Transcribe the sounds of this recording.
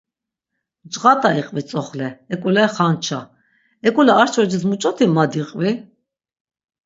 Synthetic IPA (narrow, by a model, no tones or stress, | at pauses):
d͡ʒʁat̪ʼaiqʼvit͡sʼɔχlɛɛkʼulɛχant͡ʃʰa | ɛkʼulɛaɾt͡ʃʰɔd͡ʒis̬mut͡ʃʼɔt̪ʰimad̪iqʼvi